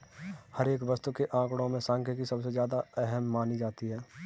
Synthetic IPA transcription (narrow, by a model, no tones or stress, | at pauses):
hɐɾeːkʋɐst̪ukeʔãːkɽ̃õmẽsãːŋkʰjəkisɐbsezjaːd̪aɛɦəmːaːnid͡ʒaːt̪iɦɛː